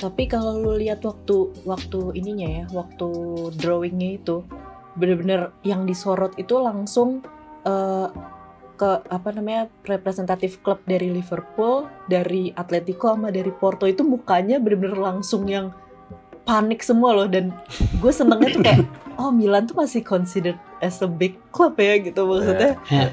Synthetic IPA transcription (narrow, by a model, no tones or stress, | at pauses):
t̪apikalaluliɦat̪wak̚t̪uwak̚t̪uiniɲajawak̚t̪udɾowɪŋɲait̪u | bənrbənərjaŋdisoɾɔt̪it̪ulaŋsʊŋ | ə | kəapanamaɲarepɾesɛnt̪at̪ɪfkləp̚daɾilivərpuldaɾiat̪let̪ikoamadaɾiport̪oit̪umukaɲabənərbənərlaŋsʊŋjaŋ | panɪksəmualɔhdanɡuasənəŋɲat̪ukajaʔɔhmilant̪umasɪhkɔnsidərɛsəbɪkː | ləp̚jaɡit̪umaksut̪ɲa